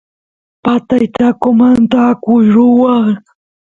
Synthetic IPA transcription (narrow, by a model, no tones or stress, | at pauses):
pat̪ajt̪akomant̪akʊjɾʊwɑχ